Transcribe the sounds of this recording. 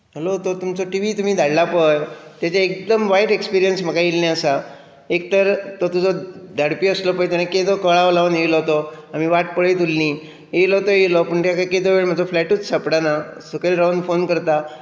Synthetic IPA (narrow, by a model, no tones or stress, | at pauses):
ɦəlot̪ot̪umt͡sɔʈiʋit̪um̤iːd̪ʱaɽlapəjt̪jat͡ɕaek̚d̪əmʋajʈekspiɾijənsm̤əkailnɛ̃əsa | ek̚t̪əɾt̪ot̪ud͡zɔd̪ʱaɽpiəslɔpəjt̪anãked̪okəɭaʋlaʋənjeʋlɔɦt̪o | am̤iʋaʈ̚pəɭəjt̪ulni | eʋilɔɦt̪ojeʋlɔpəɳʈ̪jakaked̪oʋeɭm̤əd͡zɔflɛʈuːt͡ssəpɽanasukelɾawnfonkəɾt̪a